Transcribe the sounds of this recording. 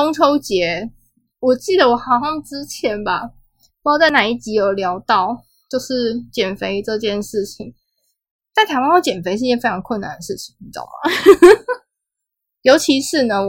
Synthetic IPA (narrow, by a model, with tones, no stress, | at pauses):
o˥ŋʈ͡ʂʰo˥ʊt͡ɕjɛ˧˥ | wɔ˨˩t͡ɕi˥˩d̪ə˩wɔ˨˩xɑ˨˩ʊɕɑ˥˧ŋʈ͡ʂɻ̩˦t͡ɕʰjɛ˨˦nba˨ | u˧˥˧t͡sa˥˩ɪna˨˩i˥˩t͡ɕi˧˥jo˨˩ʊljɑ˧˥ʊt̪ɑ˥˩ʊ | t͡ɕjo˥˧ʊʂɻ̩˥˩t͡ɕjɛ˨˩nfe˧˥ɪ˧˥ʈ͡ʂɤ˥˧t͡ɕjɛ˥˧nʂɻ̩˥˩t͡ɕʰi˨˩˦ŋ | t̪a˥˩ɪt̪ʰa˧˥ɪwa˥n˥o˥˩t͡ɕjɛ˨˩nfe˧˥ɪʂt͡ɕjɛ˥˧˩fe˥ɪʈ͡ʂʰɑ˧˥ŋkʰwə˥˩na̰˨˩nd̪ə˩ʂɻ̩˥˩t͡ɕʰi˨˩ŋ˧˩ɑ̰˥˩˨ | jo˧˥ʊt͡ɕʰi˧˥ʂɻ̩˥˩nə˩